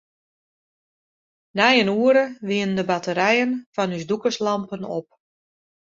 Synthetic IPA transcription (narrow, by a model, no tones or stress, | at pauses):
nɛjənuːəɾəʋiəndəbatəɾɛjənfɑnysdukəslɑmpəno̰p̚